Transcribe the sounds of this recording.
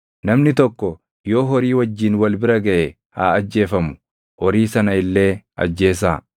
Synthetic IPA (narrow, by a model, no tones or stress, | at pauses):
nɐmnɪt̪ɔkːɔ | jo̞ːɦɔɾiːwɐd͡ʒːiːnwɐlbɪɾɐɡɐʔɛ | haːɐd͡ʒːe̞ːfɐmʊ̥ | hɔɾiːsɐnɐɪlːe̞ːɐ̰d͡ʒːe̞ːs̬aː